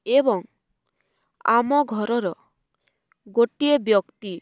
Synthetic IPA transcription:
ebɔŋ | a̰mɔɡʱɔɾɔɾɔ | ɡoʈiebjɔkt̪i

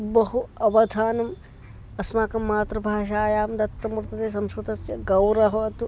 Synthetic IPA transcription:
bɐɦuɐʋɐd̪ʱaːnɐm | ɐsmaːkɐmːaːt̪ɾɐbʱaːʃaːjaːmd̪ɐt̪ːɐmɾt̪ɐt̪eːs̬ɐmskɐt̪ɐsjɐɡɐwɾɐɦɐɐt̪u

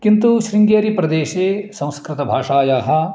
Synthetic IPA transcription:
kɪ̃nt̪uʃɾɪ̃ŋɡeːɾipɾɐd̪eːʃeːsɐ̃w̃skɾɪt̪ɐbʱaːʂaːjaɦɐ

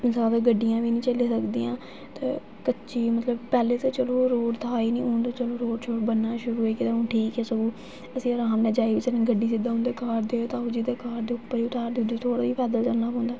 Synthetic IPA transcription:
mɪnsaaːd̪aːɡəɖːijãːʋiːnĩːt͡ʃəleːsəkd̪iːãː | t̪ḛː | kətːt͡ʃiːmət̪ləbpɛːleːt̪eːt͡ʃəloːɾoːɖt̪ʰaːiːnĩːʊnd̪oːt͡ʃəloːɾoːʈt͡ʃʰoːʈbənːaːʃʊɾuːoiːkit̪aːʊ̃ːʈʰiːkɛːsəɡuː | əsĩːəɾaːmnɛ̃ːd͡ʒaːiːʋiːsənẽːɡəɖːiːsɪd̪aːɦʊ̃nd̪eːkaːɾd̪eːoːt̪aːʊd͡ʒiːd̪eːkaːɾd̪eːʊpːəɾiːʊt̪aːɾd̪ed̪iːt̪ʰoːɽaːiːpʰɛːd̪əld͡ʒəlnaːpõːnd̪aː

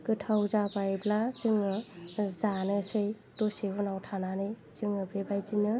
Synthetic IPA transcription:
kɯtʰawzabajblazɯŋɯzanɯsɯj | tosebɯnawtʰananɯjz̥ɯŋɯbebajd͡ʒinɯ

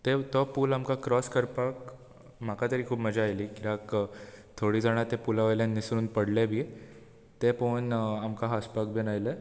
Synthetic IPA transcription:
t̪et̪ɔpuːlamkakɾɔskəɾpak | m̤akat̪əɾiːkʰuːpməd͡ʑaːjliːkiɾakt̪ʰoɽiːd͡zaɽ̃at̪epulaʋeljanːisɾuːnpəɽlebʱi | t̪eponamkaɦaspakbʱinajlə

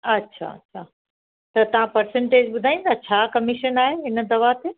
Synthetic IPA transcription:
ɐtːɕʰa̰ɐ̰tːɕʰaː | t̪ɐt̪ɐʋ̤ãpɐɾsɛ̃ɳʈeːd͡ʑɓʊd̪ʱaːĩd̪at͡ɕʰaːkɐmɪʃənaːɦeɦɪnd̪ɐʋat̪e

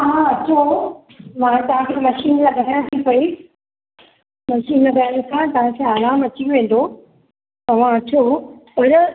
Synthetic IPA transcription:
ɐɦãɐt͡ɕʰo | mãːt̪ɐʋ̤ãkʰemɐʃiːnlãːɡʱɐʈʰaj̃t̪ʰipɐi | mɐʃiːnakɐɾə̃nɪkʰãːt̪ɐʋ̤ãkʰãɐɾaːmɐt͡ɕiʋʋẽːnd̪o | ɐʋ̤ãɐt͡ɕʰoʊɾ

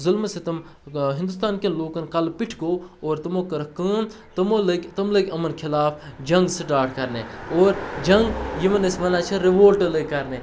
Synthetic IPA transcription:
zʊlmset̪ɐm | ɦɪ̃nd̪us̬t̪aːnkenloːkɐnkɐlpɪʈʰkoːoːɾt̪ɐmoːkɐɾɐkɐːm | t̪ɐmolɐkʲt̪ɐmlɐɡʲɐmɐnkʰɪlaːfʰd͡ʒɐ̃ŋɡseʈaːʈʰkɐɾnḛoːɾd͡ʒɐŋɡjimɐnɐsmɐnaːt͡ʃʰɐɾeʋoːlʈɐlekːɐɾneː

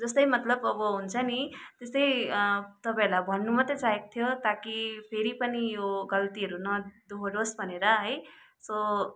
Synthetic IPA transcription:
d͡zʌst̪ʌjmʌt̪lʌbʌbʌɦunt͡sʰʌnit̪est̪ʌjt̪ʌpãelajbʱʌnːumʌt̪ʌt͡saɦekt̪ʰjot̪akipʰeɾipʌnijoɡʌlt̪iɦʌɾunʌd̪uɦoɖosbʱʌneɾʌɦʌj | sʌ

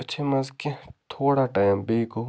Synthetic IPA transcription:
ɐt͡ʃʰemɐzkẽt̪ʰoːɽaʈaːjmbeːko

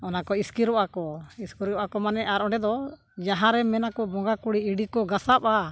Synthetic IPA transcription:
ɔnakɔiskiɾɔʔakɔiskiɾɔʔakɔmanɛʔaɾɔɳɖɛd̪ɔ | d͡ʒaɦãɾɛmɛnakɔbɔŋɡakuɽiiɖikɔɡasapa

